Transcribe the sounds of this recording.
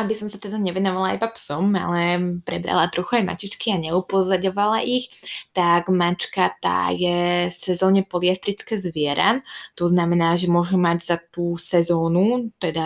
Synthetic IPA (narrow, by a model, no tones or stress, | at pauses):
abisɔmsat̪ɛd̪aɲɛʋɛnɔʋalaibapsɔma̰lɛpɾɛbɾa̰lat̪ɾɔxuajma̰cit͡ʃkiaɲɛupɔzaɟɔʋalaʔixt̪aɡmat͡ʃkat̪a̰ːjɛsɛzɔːɲɛpɔliɛst̪ɾit͡skɛːzʋɪɛɾa̰t̪ɔznamɛnaːʒɛmʊɔʒumaɟzat̪uːsɛzɔːnut̪ɛd̪a